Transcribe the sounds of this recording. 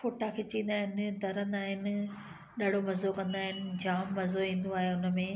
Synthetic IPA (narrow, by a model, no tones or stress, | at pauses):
foːʈakʰeːt͡ɕĩːnd̪aːɦɪnd̪ʱɐɾə̃nd̪aːɦɪnɪ̆ | ɗaːɽ̤omɐzokɐ̃nd̪aːɦɪnɪ̆d͡ʑaːmːɐzoĩːn̆d̪oaːɦeʊnə̆mẽ